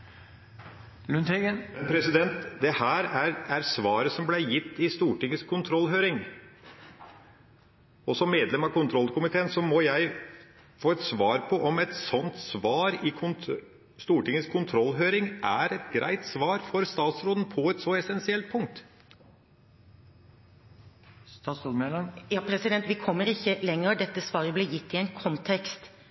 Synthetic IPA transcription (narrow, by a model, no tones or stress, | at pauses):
lʉnɛɡəɛnpʰɾɛsɪd̪ɛnt̪d̪ɛhæːɾæɾæɾsʋɑːɾəsɔmblæɪjɪt̪ːɪst̪uːʈɪŋːəskʰʊnt̪ʰɾɔlːɦøːɾɪŋ | ɔsɔmːeːd̪lɛmɑkʰʊnt̪ʰɾɔlːkʊmɪt̪ʰeːənsɔmɔjæɪ | foːɛt̪sʋɑːɾpʰɔʔɔmɛt̪sɔnt̪sʋɑːɾɪkʰʊn | st̪uːʈɪŋːəskʰʊnt̪ʰɾɔlːɦøːɾɪŋʔæɾɛt̪ɡɾæ̰ɪt̪sʋɑːɾfɔɾst̪ɑːt̪sɾoːd̪n̩pʰɔɛt̪sɔɛsɛnsɪɛlt̪̚pʰʊŋk̚t̪ | sɑsod̪melɑŋjɑːpʰɾɛsɪd̪ɛnt̪ʋɪkʰɔmːəɾɪçːəlɛŋːəɾd̪ɛt̪ːəsʋɑːɾəbleːjɪt̪ːɪɛnkʰɔnt̪ʰɛkst̪